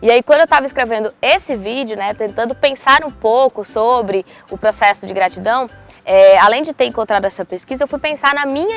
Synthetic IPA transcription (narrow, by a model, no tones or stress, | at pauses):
iaikwɐ̃d̪ʊewt̪avɐiskɾevẽnd̪ʊesɪvid͡ʒjʊnɛt̪ẽnt̪ɐ̃nd̪ʊpẽsaɾũpowkʊsobɾɪ | ʊpɾosɛsʊd͡ʒɪɡɾat͡ʃid̪ɐ̃w̃ | ɛalẽj̃d͡ʒɪt̪eɾẽŋkõt̪ɾad̪ʊɛsɐpeskizɐewfujpẽsaɾnɐmĩɲɐ